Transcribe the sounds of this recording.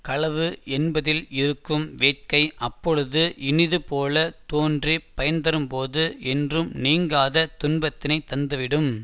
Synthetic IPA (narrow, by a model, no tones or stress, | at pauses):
kɐɭɐʋɯʔɛnbɐðɪlɪɾɯkːɯmʋeːʈ̚kɐɪʔɐpːɔɻɯðɯʔɪnɪðɯpoːlɐt̪oːndripɐjɐnd̪ɐɾɯmpoːðɯʔɛndrɯmniːŋɡaːðɐt̪ʊnbɐt̪ːɪnɐɪt̪ːɐnd̪ɐʋɪɽɯm